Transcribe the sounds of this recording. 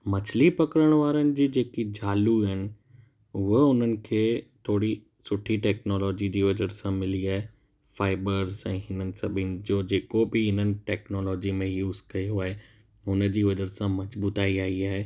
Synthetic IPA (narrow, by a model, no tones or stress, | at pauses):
mɐt͡ɕʰɪlipɐkəɾəɽ̃ʋaːɾənɪ̆d͡ʑiːd͡ʑeːkid͡ʑaːluɦɪnɪ̆ | ʊɦəʊn̤ənɪ̆kʰeːt̪ʰoːɽi | sʊʈʰiʈɛːknɔːlɔːd͡ʑid͡ʑiːʋɐd͡ʑəɾsãmɪliaːɦe | faːɪbəɾzɛ̃ːɦɪnənɪ̆sɐbʱɪnɪ̆d͡ʑoːd͡ʑeːkobɪɪnənɪ̆ʈɛːknɔːlɔːd͡ʑimẽjuːzkɐjoaːɦe | ʊnə̆d͡ʑiːʋɐd͡ʑəɾsãmɐzbuːt̪aːiaːiaːɦeː